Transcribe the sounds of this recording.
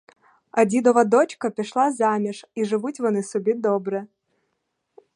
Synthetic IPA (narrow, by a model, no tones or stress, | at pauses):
ɐdʲid̪ɔvɐd̪ot͡ɕkɐpʲɪʂlˠazamʲɪʂiʐɨvutʲvɐnɨsʊbʲid̪obɾɨ